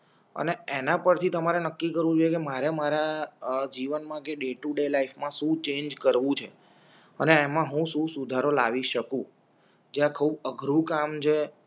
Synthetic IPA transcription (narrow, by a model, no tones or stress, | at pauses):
ə̰neenãpəɾt̪ʰit̪əmaɾenəkːikəɾʋũd͡ʒojekemaɾemaɾad͡ʒiʋənmãkeɖeʈuɖelaifmãsũt͡ʃẽɲd͡ʒkəɾʋũt͡ʃʰe | əneːmãɦũʃũsud̪ʱaɾola̰ʋiʃəkũ | d͡ʒeãkʰuːbəɡʱɾũkamt͡ʃʰe